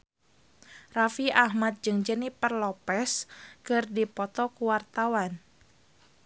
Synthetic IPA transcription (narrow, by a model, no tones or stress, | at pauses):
rafiʔahmat̪̚d͡ʒɨŋd͡ʒənipərlɔpɛskɨrdipɔt̪ɔkuwart̪awan